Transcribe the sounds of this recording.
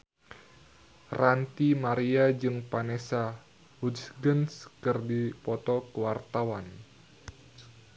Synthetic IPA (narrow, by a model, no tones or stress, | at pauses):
rant̪imaɾiad͡ʒɨŋpanesa | hudsɡənskɨrdipɔt̪ɔkəwart̪awan